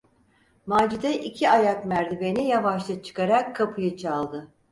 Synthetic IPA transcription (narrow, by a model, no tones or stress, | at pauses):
maːd͡ʒid̪ɛʔicʰiajakmæɾd̪ibe̞nijavaʃlˠɯt͡ʃʰɯ̥kaɾakʰːapʰɯjɯt͡ʃʰalˠd̪ɯ